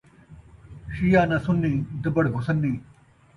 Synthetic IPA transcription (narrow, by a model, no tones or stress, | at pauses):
ɕijaːnasunːĩːd̪ɐbɐɽɡʱusɐnːiː